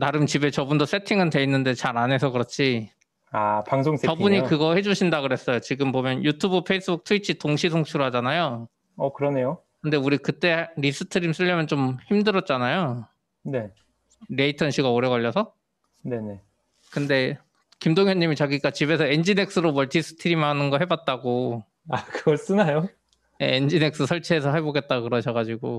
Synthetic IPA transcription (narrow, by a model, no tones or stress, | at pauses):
naɾɯnt͡ɕibe̞t͡ɕʌbundʌs͈ʰe̞tʰiŋɯnte̞inːɯnde̞t͡ɕaɾane̞sʰʌkɯɾʌt͡ɕʰi | apaŋsʰoŋset͡ɕʌbuɲikɯɡʌhe̞d͡ʑuɕʰindaɡɯɾe̞s͈ʌjot͡ɕiɡɯmpomjʌnjutʰubɯpʰe̞is͈ɯbuk̚tʰuit͡ɕʰitoŋɕʰis̬ʰoŋt͡ɕʰuɾoɦad͡ʑanajo | ʌkɯɾʌne̞jo | kɯnde̞uɾikɯt͈e̞ɾis͈ɯtʰɯɾims͈ʰɯʎːʌmjʌnt͡ɕomçimdɯɾʌt̚t͡ɕ͈anajo | ne̞ | ɾe̞itʰʌnɕʰiɡaoɾe̞ɡʌʎːʌsʰʌ | ne̞ne̞ | kɯnde̞ | kimdoŋjʌɲːimit͡ɕaɡiɡat͡ɕibe̞sʰʌend͡ʑine̞k̚s͈ɯɾomʌɭtis͈ɯ̥tʰɯɾimanɯnɡʌɦe̞bat̚t͈aɡo | akɯɡʌɭs͈ɯnajo | jeend͡ʑine̞k̚s͈ɯsʰʌɭt͡ɕʰeːsʰʌɦeboɡe̞t̚t͈akɯɾʌɕʰʌɡad͡ʑiɡo